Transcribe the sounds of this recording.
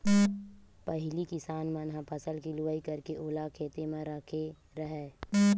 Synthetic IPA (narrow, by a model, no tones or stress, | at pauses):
pəɦɪlikɪsaːnmənɦãpʰəsəlkilʊʋaːikɐɾkeʔoːlakʰeːt̪emãɾaːkʰe | ɾɐɦɛː